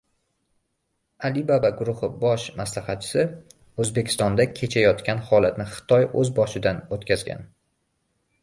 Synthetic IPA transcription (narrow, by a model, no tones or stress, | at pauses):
alɪbabaɡʊɾʊhɪbɒʃmaslahɑt̪̚t͡ʃʰɪ̥sɪ | ɵzbe̞kʲʰɪ̥st̪ɒnd̪akʲʰe̞t͡ʃʰajɒt̪kʲanhɒlˠat̪nɪχɨ̥t̪ʰɒjɵzbɒʃɪd̪anot̪kʲʰazɡʲa̰n